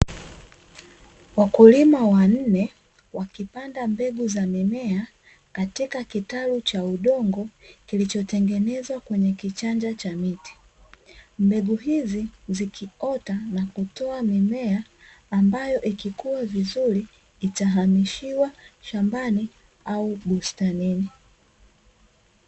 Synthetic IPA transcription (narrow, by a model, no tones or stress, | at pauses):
wakulimawan̩nɛ | wakipandambɛɡuzamimɛa | katikakitalut͡ʃauɗɔŋɡɔkilit͡ʃɔtɛŋɡɛnɛzwakwɛɲɛkit͡ʃand͡ʒat͡ʃamiti̥ | mbɛɡuɦizizikʰiɔtanakutɔamimɛaː | mbajɔʔikikuwavizuɾiː | taɦamiʃiwaʃambani | auɓustanini